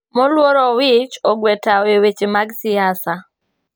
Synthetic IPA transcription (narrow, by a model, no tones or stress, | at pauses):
mɔlwɔɾɔwɪt͡ʃɔɡwɛtawewet͡ʃemaɡsiasa